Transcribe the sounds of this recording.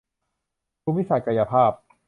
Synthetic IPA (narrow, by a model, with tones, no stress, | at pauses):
pʰuː˦˥mwi˦˥˩sa˨˩t̪̚ka˧ja˧pʰaː˥˩p̚